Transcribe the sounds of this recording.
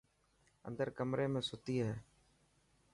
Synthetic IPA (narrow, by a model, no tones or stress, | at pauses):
ə̰nd̪əɾkəmɾeːmẽːsʊt̪iːɦɛː